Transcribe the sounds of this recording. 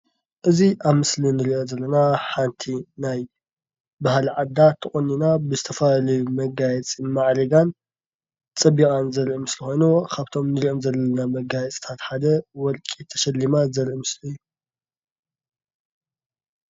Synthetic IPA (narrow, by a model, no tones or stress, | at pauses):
ʔɨziʔaβmɨslinɨɾiʔo̞zɐlːɐnaħant̪ʰinaj | bahalʕad̪ːat̪ʰɨχʼunːinabɨzɨt̪ʰɐfalɐjumɐɡajɛt͡sʼimaʕɾɐɡan | t͡sʼɐbːikʼanzɐɾʔimɨslixo̞jnukʰaβt̪ʰo̞mnɨɾiʔo̞mzɐlɐnamɐɡajɛt͡sʼt̪ʰat̪ħad̪ɐwɔlkʼit̪ʰɐ̥ʃɐlːimazɐɾʔimɨslijːu